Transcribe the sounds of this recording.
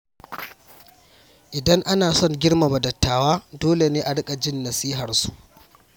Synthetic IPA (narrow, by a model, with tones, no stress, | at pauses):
ʔɪ˨dɐ˦ŋʔa˦naː˨sɔ˦˨ŋɡʲɪ˦ɽma˨bɐ˨dɐ˨tːaː˨waː˦doː˦le˨neː˦ʔa˨ɽɪ˦kʼa˨d͡ʒɪ˦nːɐ˨siː˦ɦɐ˨rsu˨ʔ